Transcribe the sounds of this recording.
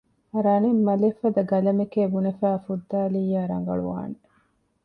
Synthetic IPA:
ɐɾɐnimːɐlefɐd̪ɐɡɐlɐmikeːbunɐfæːfud̪ːaːliːjːaːɾɐ̰ŋ̆ɡɐ̰ɭṵʋa̰ːne

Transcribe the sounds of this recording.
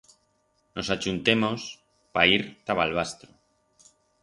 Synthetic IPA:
no̞sat͡ʃunt̪emos | paiɾt̪aβalβ̞ast̪ɾo

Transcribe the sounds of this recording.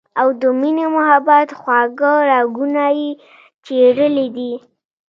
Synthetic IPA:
awd̪əminemʊhabat̪xwaɡəɾɑɡunaje | t͡ʃeɽəlid̪i

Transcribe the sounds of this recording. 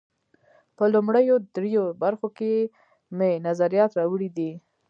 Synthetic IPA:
pəlʊmɽəjod̪ɾejobaɾxoke | menazaɾijɑt̪ɾɑwəɽid̪i

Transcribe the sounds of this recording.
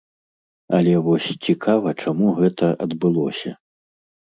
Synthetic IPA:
ɐlʲɛvɔsʲt͡sʲikʰavɐt͡ʂamuɣɛt̪ɐʔɐd̪bɨlˠɔsʲɐ̰

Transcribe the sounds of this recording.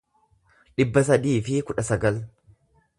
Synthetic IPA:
ᶑɪbːɐsɐd̪iːfɪkʊᶑɐsɐɡɐl

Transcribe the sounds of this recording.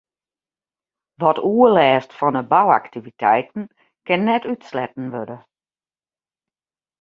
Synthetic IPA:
ʋɔtʰuəlɛːstfɔnəbawa̰ktiʋitʰɛjtn̩ | kɪnːɛtytslɛtn̩ʋødə

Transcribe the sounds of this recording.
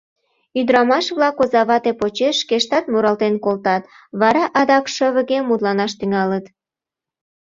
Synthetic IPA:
yd̪ɾɑmɑʃβlɑkozɑβɑt̪epot͡ɕeʃːkeʃt̪ɑt̪muɾɑlt̪enkolt̪ɑt̪ | βɑɾɑʔɑd̪ɑkʃəβə̆ɣemːud̪lɑnɑʃt̪yŋɑlət̪

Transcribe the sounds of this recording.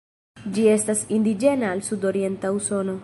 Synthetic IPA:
d͡ʒie̞stasind̪id͡ʒe̞naːlsudo̞ɾie̞ntauso̞no̞

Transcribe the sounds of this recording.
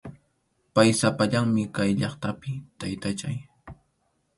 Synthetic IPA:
pajsapaʎaŋmɪkajʎɑχt̪apɪt̪ajt̪at͡ʃa̰j

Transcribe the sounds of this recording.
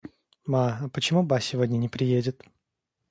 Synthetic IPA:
maɐpət͡ɕɪmubasʲːɪvodʲnʲənʲɪpɾʲɪjedʲɪt̪

